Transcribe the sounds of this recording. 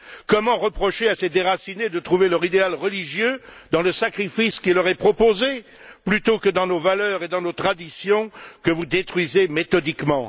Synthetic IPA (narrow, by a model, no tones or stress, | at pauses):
kɔmɑ̃ʁəpχɔʃeased̪eʁasined̪ət̪χuvelœʁid̪ealʁəliʒjød̪ɑ̃ləsakχifiskʲilɔʁɛpχɔpoze | plyt̪okəd̪ɑ̃novalœʁed̪ɑ̃not̪χad̪isjɔ̃kəvud̪et̪χɥizemet̪ɔd̪ikmɑ̃